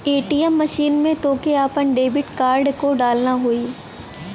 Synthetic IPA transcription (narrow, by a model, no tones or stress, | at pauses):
eːʈiːəmːɐʃiːnmẽt̪oːkeaːpənɖeːbɪʈkaːɾɖkoɖaːlnaɦoːiː